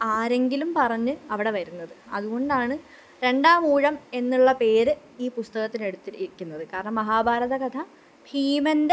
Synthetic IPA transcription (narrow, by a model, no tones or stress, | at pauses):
aːɾe̞ŋɡilumpɐrɐɲːɨɐʋiɽe̞ʋɐɾunːɐðɨɐ̰ðuɣo̞ɳɖaːɳɨ | ɾe̞ɳɖaːmuːɻɐme̞nːuɭːɐpe̞ːɾɨ | iːpust̪ɐɣɐt̪ːine̞ɽut̪ːiɾikʲːunːɐðɨkaːɾɐɳɐmːɐɦaːbʱaːɾɐðɐɡɐt̪ʰɐ | pʰiːmɐnde